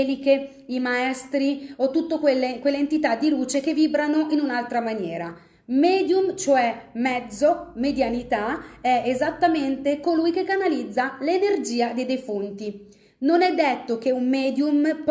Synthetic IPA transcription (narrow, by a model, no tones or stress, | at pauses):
like | imaɛst̪ɾiot̪ːut̪ːokwelːekwelːeːnt̪it̪ad̪ːiluːt͡ʃek̟evːiːbɾanoʔinunalt̪ɾamanjɛːɾa | mɛːd̪jumt͡ʃoɛmɛd̪zːomed̪janit̪aɛezat̪ːament̪ekolujkekːanalid̪zːalenerd͡ʒiːad̪ejd̪ejfunt̪i | nonɛd̪ːet̪ːok̟eumːɛːd̪jump